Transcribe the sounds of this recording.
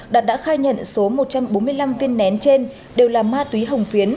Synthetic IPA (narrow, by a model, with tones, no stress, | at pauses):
ɗaː˨˩t̚ɗa̰ː˧˥xaː˧jɲə̰˧˨nso˨˦mo˨˩t̚t͡ɕa˧mɓo˨˦nmɨ˧əjla˧mvi˧ənːɛ˨˦nt͡ɕe˧n | ɗe˨˩wlaː˨˩maː˧t̪wi˨˦ɦə˨˩wŋ͡mfi˨˦ən